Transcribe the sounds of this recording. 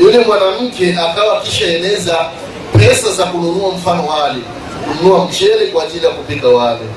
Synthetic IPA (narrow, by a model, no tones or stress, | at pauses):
ulɛmwanam̩kʰɛʔakʼawakiʃaɛnɛza | pʰɛsazakulonuwam̩fanɔwaːlɛ | kunuwam̩t͡ʃɛlɛkwad͡ʒilakupɛɡawaːlɛ